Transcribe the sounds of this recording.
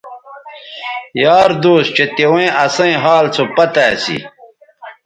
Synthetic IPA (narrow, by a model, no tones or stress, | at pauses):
jaːɾd̪oːst͡ɕet̪ewẽʔɐsɐ̃ẽɦaːlt͡sʰopɐt̪aːsḭ